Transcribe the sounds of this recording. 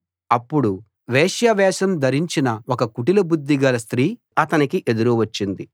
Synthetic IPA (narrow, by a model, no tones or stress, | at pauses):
ɐpːuɽu | ʋeːʂjɐʋɛːʃɐmd̪ʱɐɾiɲt͡ʃinɐokɐkuʈilɐbud̪ːiɡɐlɐst̪ɾiː | ɐt̪ɐnikiʔe̞d̪uɾuʋɐt͡ʃːind̪i